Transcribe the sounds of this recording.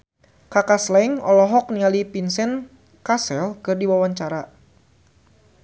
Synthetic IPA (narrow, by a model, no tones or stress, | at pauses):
kakaslɛŋɔlɔɦɔk̚nialipinsɛn | kasɛlkɨrdiwawaɲt͡ʃaɾa